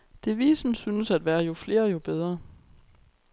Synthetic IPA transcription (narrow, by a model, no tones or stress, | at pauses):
d̥e̝ʋiːsn̩synəsæd̥ʋæːɐjo̝fle̝ːɐjo̝b̥eð̞ˠʁɐ